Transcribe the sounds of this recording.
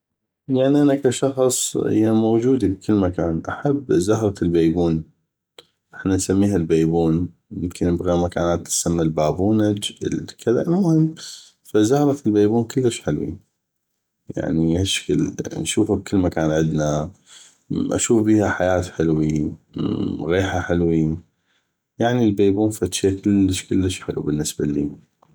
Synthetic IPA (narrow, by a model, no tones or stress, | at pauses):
jaʕniʔanakaʃɑxsˤhɪ̰jːamowd͡ʒuːd̪ib̚kʰɪlːmakaːnʔaħabːzʊhɾˤɑlbeːbuːn | ʔɪħnansamːiːɦalbeːbuːn | mɪmkʰɪnːɪbɣimakaːnaːt̪ːḁsamːalbaːbuːnad͡ʒ̰lkʰɪða̰ʔlmʊhɪmː | fazʊhɾˤɑlbeːbuːnkʊlːəʃħɪlwḭ | ja̰ʕniʔaʃkɪlnʃuːfab̚kɪlːmakaːnʕɪd̪na | ʔa̰ʃuːfbiːhaħajaːt̪ħɪlwi | ɣeːħaħɪlwi | jaʕnilbeːbuːnfat̪ʃakɪlːəʃkɪlːəʃħɪlṵbənːɪsbalːḭː